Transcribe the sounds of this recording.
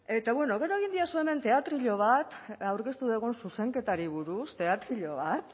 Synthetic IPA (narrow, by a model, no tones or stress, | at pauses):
e̞t̪aβwe̞no̞ɣ̞e̞ɾo̞eɣ̞ind̪iasue̞me̞nt̪e̞at̪ɾiʎo̞β̞at̪awɾke̞st̪uðeɣ̞unsuse̞ŋke̞t̪aɾiβ̞uɾust̪e̞at̪ɾiʎo̞β̞at̪